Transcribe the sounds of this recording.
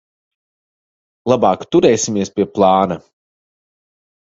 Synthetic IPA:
lˠabɑːkt̪uɾɛːsʲimiɛspʲiɛplˠɑːnɐ

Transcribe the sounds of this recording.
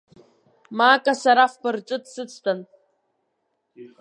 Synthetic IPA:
maːkʼasaɾafbɨrʈ͡ʂʼɨtsɨt͡sʰtʰan

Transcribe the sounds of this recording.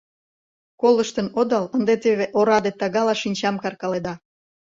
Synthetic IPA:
koləʃt̪ənod̪ɑlənd̪et̪eβeʔoɾɑd̪et̪ɑɣɑlɑʃinʲt͡ɕɑmkɑrkɑled̪ɑ

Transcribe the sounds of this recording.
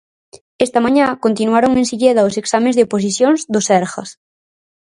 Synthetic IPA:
est̪ɐmãɲãkont̪inuaɾoŋensiʎeðɐoseksamẽzðeopos̬isjonzðosɛɾxɐs

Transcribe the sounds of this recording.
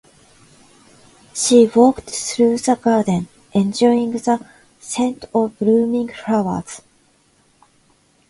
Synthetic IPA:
ʃiwɔktθɹʉːðəɡaːdn̩ | ʔɛ̃nd͡ʒɔĩŋðə | sɛ̃ntʰɔblumĩŋtʰɹ̥aʊə̰z̥

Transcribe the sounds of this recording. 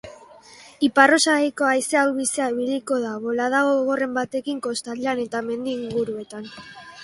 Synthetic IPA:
iparo̞saɣejko̞ajseawβiseaiβiliko̞ðaβo̞laðaɣoɣoɣo̞re̞mbat̪e̞kiŋko̞st̪alane̞t̪ame̞nd̪iːŋɡuɾue̞t̪an

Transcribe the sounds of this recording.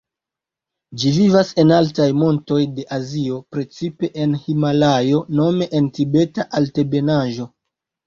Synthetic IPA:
d͡ʒivivase̞naltajmo̞nto̞jde̞ʔazio̞pɾe̞t͡sipe̞ʔenhimalajo̞no̞me̞ʔentibe̞taʔalte̞be̞naʒo̞

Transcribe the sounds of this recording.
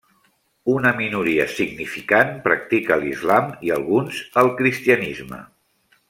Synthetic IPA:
unəminuɾiə̰siɡnifikanpɾə̰k̚t̪ikəlḭzlamiə̰lˠɣunzəlˠkɾist̪iənizmə̰

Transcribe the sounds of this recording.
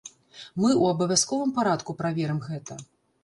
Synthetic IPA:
mɨʔuɐbɐvʲaskɔvɨmpaɾat̪kupɾavʲɛɾɛmɣɛt̪ɐ

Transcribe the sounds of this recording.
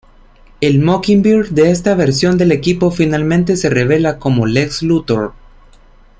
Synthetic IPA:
e̞lmokimbiɾɡd̪e̞es̬t̪aβe̞ɾsjo̞nd̪e̞le̞kipo̞finalmẽnt̪e̞se̞re̞β̞e̞lako̞mo̞le̞kslut̪oɾ

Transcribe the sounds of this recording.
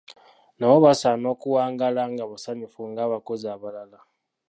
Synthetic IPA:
naβoβasanokuwaːŋɡalaŋɡaβasaɲifuŋɡaβakoziaβalala

